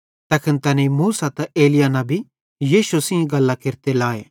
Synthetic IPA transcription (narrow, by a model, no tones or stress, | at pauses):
t̪ɐkʰɪnt̪ɐnimuːsat̪ɐeːlɪjanabʱi | jiːʃusĩĩɡɐlːakɪɾt̪elaːe